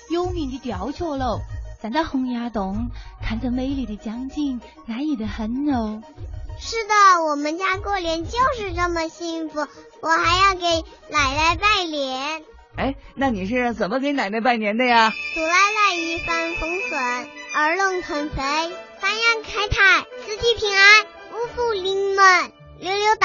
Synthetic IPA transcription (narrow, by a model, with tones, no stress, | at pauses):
jo˥ʊmi˧˥˩nt͡ɕo˥˩t̪jɑ˧˥ʊt͡ɕʰjo˥˧lo˥˩ʊt͡sa˨˩nt͡sa˥˩ɪxʊ˧˥ŋja˧˥t̪ʊ˧˥˦ŋk̪ʰa˥˩nt͡sa˥˩me˧˥ɪli˨˩d̪ə˦t͡ɕjɑ˥ŋt͡ɕi˥˩ŋ | na˧˥i˨˩d̪ə˦xə˧˥nno˧˥˦ʊʂɻ̩˥˩d̪ə˩wɔ˨˩mə˦nt͡ɕja˥kwɔ˥˩ljɛ˧˥nt͡ɕjo˥˧ʊʂɻ̩˥˧ʈ͡ʂə˥˩mə˨ɕi˥˩nfu˨˩ | wɔ˨˩xa˧˥ɪjɑ˥˩ʊke˧˥ɪ | na˨˩ɪla˥˧ɪpa˥˩ɪljɛ˧˥n | e˥˩ɪna˥˩ni˨˩ʂ̬ɻə˥˧t͡sə˨˩nmə˦ke˧˥ɪna˨˩ɪla˥˧ɪpa˥˩ɪnjɛ˧˥nd̪ə˧ja˩t͡su˨˩la˧ɪla˥˧ɪi˥˩fa˥nfɤ˥ŋswə˨˩˦nə˞˧˥lə˥˩ŋxʰə˨˩nfe˧˥ɪfa˥njɑ˥˩˧ŋkʰa˥ɪt̪ʰa˥˩ɪsɹ̩˧˥t͡ɕi˧˥˩pʰi˧˥ŋa˥ɪ | u˧˥fu˥˩li˧˥ŋmə˧˩n | ljo˧˥ʊljo˧˥ʊt̪